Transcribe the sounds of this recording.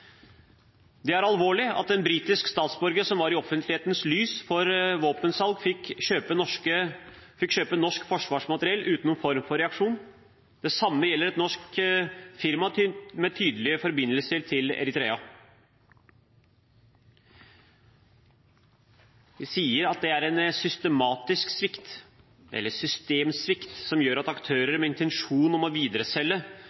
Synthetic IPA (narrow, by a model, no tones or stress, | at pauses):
d̪ɛæɾɑlʋoːɭɪɑ̰t̪ɛnbɾiːt̪ɪskst̪ɑːt̪sbɔɾɡəsɔmʋɑɾɪɔfənt̪lɪheːt̪ənslyːsfɔɾʋoːpənsɑlɡfɪøːpəɔkəfɪkɕøːpənːɔʂkfɔʂʋɑːʂmɑt̪əɾɪɛlːʔʉːt̪nuːfɔɾmfɔɾɛɑkʂuːn | d̪ɛsɑmːəjɛlːəɾɛt̪nɔʂk | fɪɾmɑt̪ːmɛt̪ʰyːd̪lɪəfɔɾbɪnːəlsəɾt̪ʰɪlɛ̰ɾɪt̪ɾeːɑ | ʋɪsiːəɾɑt̪̚d̪ɛæɾɛnsʏst̪əmɑːt̪ɪsksʋɪkt̪ | ʔɛ̰lːəsʏst̪eːmsʋɪkt̪sɔmjøːɾɑt̪ɑkt̪ʰøːɾəɾmɛɪnt̪ʰɛnʂuːnɔmɔʋiːd̪ɾəsɛlːə